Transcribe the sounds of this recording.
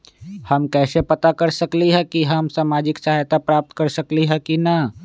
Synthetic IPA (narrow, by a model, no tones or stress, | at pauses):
hɐmkɛːsepɐt̪akɐɾsɐkliɦɛ̃kiɦəmsaːmaːd͡ʒɪksaɦjt̪apɾaːp̚t̪kɐɾsɐkliɦɛ̃kina